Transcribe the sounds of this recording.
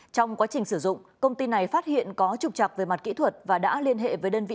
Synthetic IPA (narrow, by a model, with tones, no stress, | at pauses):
t͡ɕɔ˧wŋ͡mkwaː˨˦t͡ɕï˨˩ŋ̟sɨ˧˩zʊ̰˧˨ŋ͡mkə˧wŋ͡mt̪i˧na˨˩jfaː˦˥t̚hḭ˧˨ənkɔ˨˦t͡ɕʊ˨˩k͡p̚t͡ɕa˨˩k̚vəː˨˦jma˨˩t̚kḭ˧˥t̪ʰwə˨˩t̚vaː˨˩ɗa̰ː˧˥li˧ənɦḛ˧˨vəː˨˦jɗəː˧nvḭ˧˨